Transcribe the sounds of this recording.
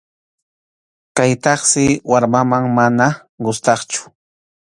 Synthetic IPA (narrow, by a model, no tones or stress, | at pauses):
kajt̪ɑχsɪwaɾmamaŋmana | ɢʊst̪ɑχt͡ʃʊ̥